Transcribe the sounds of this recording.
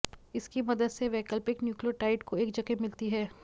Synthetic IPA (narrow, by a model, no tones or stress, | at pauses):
ɪskimɐd̪əd̪seʋɛːkəlpɪknjuːklioʈaːɪʈkoeːk̚d͡ʒɐkemɪlt̪iɦɛː